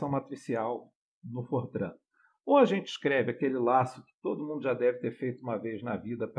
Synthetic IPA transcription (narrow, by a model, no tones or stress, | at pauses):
ɐ̃w̃mat̪ɾisiaw | nʊfoɾd̪ɾɐ̰̃ | õɐʒẽnt͡ʃɪi̥ʃkɾɛvɪakelɪlasʊkɪ̥t̪od̪ʊmũnd̪ʊʒad̪ɛvɪt̪eɾfejt̪ʊũmɐvejznɐvid̪ɐp